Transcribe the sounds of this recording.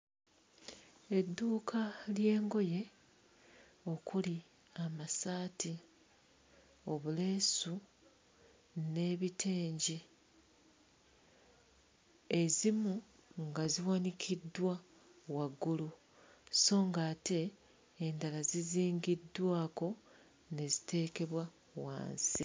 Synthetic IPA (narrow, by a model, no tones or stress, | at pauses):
e̞dːuːkʰalje̞ːŋɡo̞je̞ | o̞kuli | amasaːti | o̞βule̞ːsu | ne̞ːβitʰeːɲɟi | e̞zimu | ŋɡaziwanikʰidwa | waɡːulu | so̞ːŋɡaːte̞ː | ndalaziziːŋɡidwaːko̞ | ne̞zi̥tʰe̞ːke̞βwa | wa̰ːnsḭ